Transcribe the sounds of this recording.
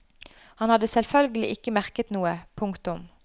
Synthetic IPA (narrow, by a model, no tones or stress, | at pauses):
hɑnhɑd̪əsɛlfœlɡəlɪ̰ʔɪkəmæʁkət̪nuːəpʰʊŋkt̪ʊm